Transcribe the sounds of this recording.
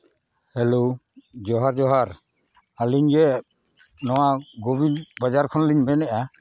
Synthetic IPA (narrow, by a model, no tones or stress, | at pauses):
hɛlo | d͡ʒɔɦaɾd͡ʒɔɦaɾ | aliɲd͡ʒɛ | nɔwaɡobilbad͡ʒaɾkʰɔnliɲbɛnɛʔa